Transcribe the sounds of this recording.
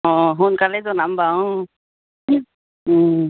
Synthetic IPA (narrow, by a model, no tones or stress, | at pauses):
ɔ̃ɦunkalɛzɔnambaw̃